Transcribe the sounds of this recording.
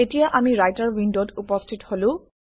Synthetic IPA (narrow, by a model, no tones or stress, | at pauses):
etijaʔamiɹajtaɹwindotupɔstʰitholʊ̃